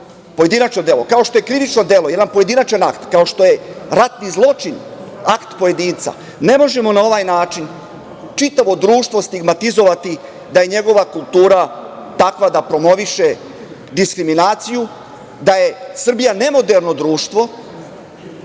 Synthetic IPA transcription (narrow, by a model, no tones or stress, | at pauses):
po̞je̞d̪inat͡ʃno̞d̪e̞ːlo̞kao̞ʃt̪o̞je̞kɾiʋit͡ʃno̞d̪e̞lo̞je̞d̪anpoje̞d̪inat͡ʃanakt̪kao̞ʃt̪o̞je̞ɾat̪nizlˠo̞t͡ʃinakt̪po̞je̞d̪iːnt̪sa̰ | ne̞mo̞ʒe̞mo̞nao̞ʋaːjnaːt͡ʃin | t͡ʃit̪aʋo̞d̪ɾuːʃt̪ʋo̞st̪iɡmat̪izo̞ʋat̪i | d̪aje̞ɲe̞ɡo̞ʋakulˠt̪uːɾat̪akʋad̪apɾo̞mo̞ʋiʃe | d̪iskɾiminaːt̪siju | d̪aje̞sr̩bijane̞mo̞d̪e̞ɾno̞d̪ɾuːʃt̪ʋo̞